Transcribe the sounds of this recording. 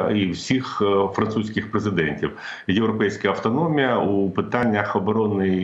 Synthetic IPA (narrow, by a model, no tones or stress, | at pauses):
iwsʲixfɾɐnt̪susʲkʲɪxpɾezɪd̪ɛnʲtʲiw | jewɾɔpɛjsʲkɐjɐwt̪ɔnɔmʲijɐupɪt̪anʲːɐxɔbɔɾɔnɪ